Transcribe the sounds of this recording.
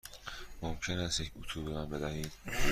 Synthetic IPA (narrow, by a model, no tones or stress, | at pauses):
momcʰenæst̪jecʰut̪ʰuːbemambed̪æhiːd̪̥